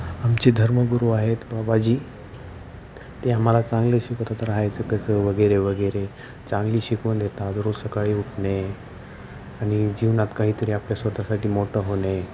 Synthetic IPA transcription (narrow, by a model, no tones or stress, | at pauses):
amt͡ɕed̪ʱəɾməɡuɾuaɦet̪babad͡ʑiː | t̪eam̤alat͡sãŋɡləɕikot̪at̪əɾaɦajt͡səkəsəʋəɡəɾeʋəɡəɾe | t͡sãŋɡliːɕikund̪et̪at̪ɾosəkaɭiːuʈʰne | añid͡ʑiʋnat̪kaɦiːt̪əɾiapljasʋəd̪ʱasaʈiːmoʈəɦone